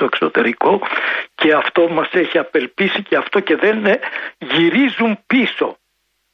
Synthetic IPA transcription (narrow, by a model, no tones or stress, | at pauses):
oekso̞t̪e̞ɾiko̞ce̞ɐft̪o̞mɐse̞çiɐpe̞lpisiceɐft̪o̞ce̞ðenʝiɾizumpiso̞̰